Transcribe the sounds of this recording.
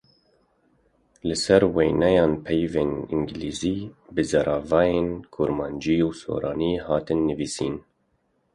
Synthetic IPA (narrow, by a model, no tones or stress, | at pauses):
lɨsɛɾwejnɛjɑːnpʰɛjveːnḭŋɡliːziːbɨzɑɾʔɑːvɑːjeːnkʰuɾmɑːnd͡ʒiːuːso̰ːɾɑːniːhɑːt̪ɨnːɨviːsiːn